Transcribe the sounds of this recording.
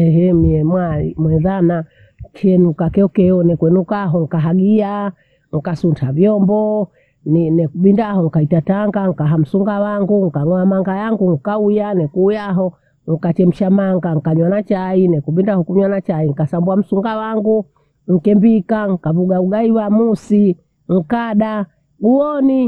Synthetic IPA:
ɛɦɛmiɛmwaimwɛðana | t͡ʃɛnukakɛɔkɛɔnɛkwɛnukaɦɔŋ̩kaɦaɡia | ŋ̩kasuntʰavjɔmbɔ | nnɛkuɓindahɔŋkaitataŋɡaŋ̩kaɦam̩suŋɡawaŋɡuŋ̩kaŋɔamaŋɡajaŋɡuŋ̩kaujanɛkujaɦɔ | ŋ̩kat͡ʃɛm̩ʃamaŋɡaŋ̩kaɲwanat͡ʃainɛkuɓindahɔkuɲwanat͡ʃaiŋ̩kasambuam̩suŋɡawaŋɡu | ŋ̩kɛmbikaŋ̩kavuɡauɡaiwamusi | ŋ̩kaɗa | uɔni

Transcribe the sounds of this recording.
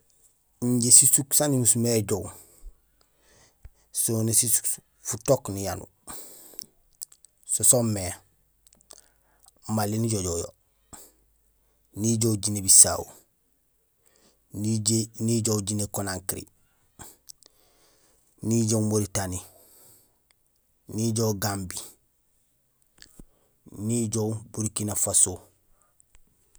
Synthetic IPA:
ɲɟesisuksanimusumeɟow | sonesisu̥k | futoknijanṵ | sosomːe | malːiniɟoɟojo̰ | niɟowɟinebisa̰ːwu | niɟowɟinekonaŋkiɾḭ | niɟomoɾitani | niɟowɡambi | niɟowbuɾikinafaso

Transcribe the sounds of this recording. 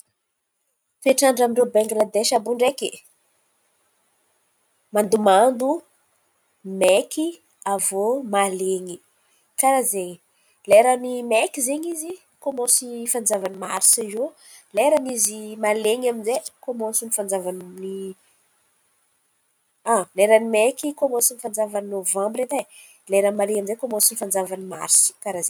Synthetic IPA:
peʈ͡ʂaɳɖ͡ʐamiɳɖ͡ʐebaŋɡlad̪eʃabuɳɖ͡ʐeke | mand̪umand̪u | meki | avomaleɲi | kaɾazeɲi | leɾanimɛkizeɲizi | komosifand͡zavanimaɾsaizo | leɾanizimaleɲaminzekomosunifand͡zavanni | aleɾanimekikomosunifand͡zavaninovãmbɾet̪a | leɾamaleɲamind͡zzekomõsinifand͡zavanima̰ɾskaɾaze

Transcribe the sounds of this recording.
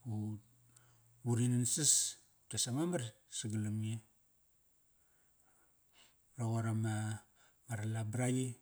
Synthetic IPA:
u | uɾinansis | tasamamar | siɡalamie | raɣaɾama | maɾalabɾaji

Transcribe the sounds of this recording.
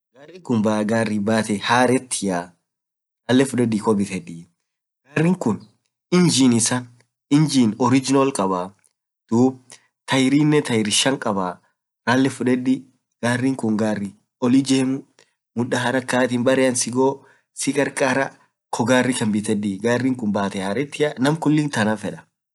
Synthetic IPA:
ɡaːrːɪŋkʊnbaɡaːrːibaːt̪ɛhaːɾɛt̪ːɪja | ɾaːlːɛfʊᶑɛd̪ɪkɔbɪt̪ɛᶑiː | ɡaːrːɪŋkʊn | ɪnd͡ʒinɪsɐn | ɪnd͡ʒiːnɔɾɪd͡ʒɪnɔlkʼɐbaː | d̪̥uːb̚ | t̪ɐjɾiːnːɛt̪ɐjɾɪʃɐŋkʼɐbaː | ɾaːlːɛfʊᶑɛd̪ɪ | ɡ̥aːrːɪŋkʊŋɡaːrːɪ | ɔlɪd͡ʒeːmʊ | mʊᶑɐɦɐɾɐkːaːt̪ɪnbɐɾɪɐnsɪɡoː | sɪkʼɐɾkʼaːɾɐ | kʰɔɡaːrːɪkɐmbɪt̪ɛᶑ̪iɡaːrːɪŋkʊnbaːt̪ɛhɐɾɛt̪ːɪɐnɐmkʊlːɪnt̪ɐnɐfɛᶑɐ̥

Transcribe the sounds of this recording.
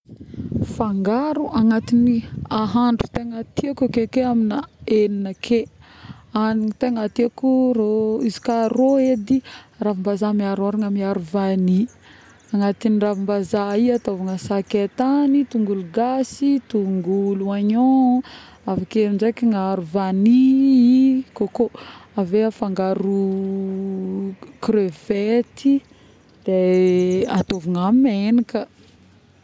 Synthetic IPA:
faŋɡaɾuʔaŋat̪iniaɦaɳɖ͡ʐu̥t̪eŋat̪iakakekeaminaeninəkʰe | aniŋt̪eŋat̪iakuroizi̥karoed̪iravimbazamiaɾaɾaŋamiaɾuvani | aŋat̪iniravimbazaiat̪ovaŋasaket̪anit̪uŋɡuluɡasit̪uŋɡuluaɲo | afakemizekiŋaɾuvaniikokoaveafaŋɡaɾu | kɾøv̥et̪i | d̪̥e | at̪ovaŋamenikə

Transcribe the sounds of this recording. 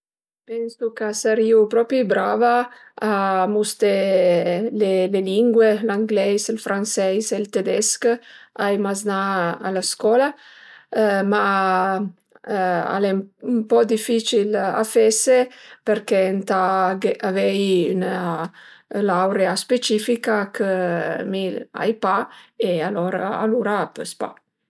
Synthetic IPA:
pɛnsukasaɾiupɾɔpɾibɾavaː | must̪e | leleliŋɡwelaŋɡlɛjselfɾansɛjselt̪ed̪ɛskajmaznaa̰laskɔla | ma | a̰lɛmpɔd̪ifit͡ʃila̰fɛsepeɾkent̪aɡeavɛjyna | lawɾeaspet͡ʃifikakʰəmila̰jpaealɔɾaa̰luɾapøspa̰

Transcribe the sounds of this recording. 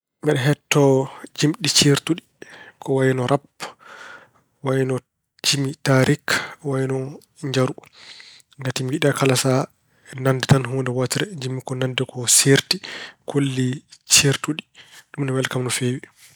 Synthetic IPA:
mbɛɗɛɦɛtːɔd͡ʒimɗit͡ʃeɾtuɗikɔwajɛnɔɾʔap | wajinɔ | d͡ʒimitaɾikwajinɔ | ɲd͡ʒaɾu | ŋɡatimɡiɗakalasa | ɛnandɛtanɦundɛwatiɾɛd͡ʒimːikɔnandɛkɔseɾtikʰolːit͡ʃeɾtuɗiɗumnɛmɛlkamnɔfeːwi

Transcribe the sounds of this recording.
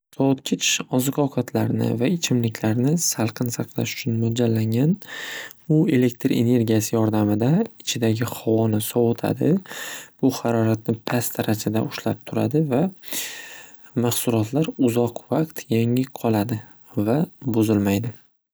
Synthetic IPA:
sɒwʊt̪̚kʲʰɪt͡ʃʰɒzɨqʰɒwqʰat̪ʰlaɾnɪ̰vaɪt͡ʃʰɪmlɪkʲlaɾnɪsalˠqʰɨnsaqlˠa̰ʃʊ̥t͡ʃʰʊnmʊd͡ʒalːaŋɡʲanbʊe̞le̞k̚ʲt̪ɾe̞̰ne̞ɾɡʲijasɪjɒɾd̪amɪd̪aɪt͡ʃʰɪd̪aɡʲɪχɒwɒnɪsɒwʊt̪ʰa̰d̪ɪb̥ʊhaɾɒɾat̪̚nɪpʰasd̪ʰaɾad͡ʒad̪a̰ʊʃlap̚t̪ʰʊɾa̰d̪ɪva | maχsʊlɒt̪ʰlaɾʊzɒqvaqt̪ʰjaŋɪqʰɒlˠad̪ɪ | vabʊzɪlmajd̪ɪ

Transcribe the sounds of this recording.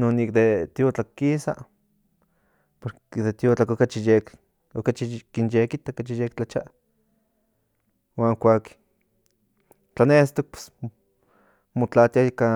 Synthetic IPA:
nonik̚d̪et̪jot͡ɬakːisa̰ | poɾ | d̪et̪jot͡ɬakokat͡ʃijek | okat͡ʃikinjekit̪akat͡ʃijekt͡ɬat͡ʃaʔ | waːŋkʷak | t͡ɬanest̪ok̚pe̥s | mot͡ɬat̪jaika

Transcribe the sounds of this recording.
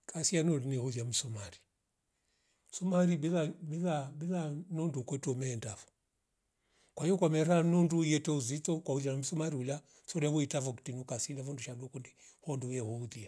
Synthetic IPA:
kasianɔɾinihuðjam̩sumaɾi̥ | sumaɾibilabilabilanundukɔtɔmɛːndavɔ̥ | kwaijɔkwamɛɾanundujɛtɛuzitɔkwauðanam̩sumaɾiula | sɔɾɛwuitavɔki̥tinukasilavɔnduʃadɔkundi | hɔndujɛhɔuðia

